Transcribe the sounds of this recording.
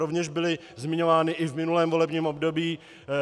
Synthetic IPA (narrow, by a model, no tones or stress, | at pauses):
ovɲɛʒbɪlɪ | zmɪɲo̞vaːnɪʔɪvmɪnulɛːmvo̞lɛbɲiːmobdo̞biː